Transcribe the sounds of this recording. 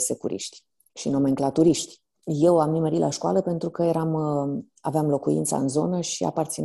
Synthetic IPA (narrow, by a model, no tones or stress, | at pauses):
sekṵɾʔḭʃt̪ʲ | ʃinomeŋklat̪uɾiʃt̪ʲ | je̞wamniməɾilʔaʃkua̰ləpe̞nt̪ɾukəjeɾam | aveamlo̞kuḭnt̪sa̰ɨnzo̞nəʃia̰part̪sin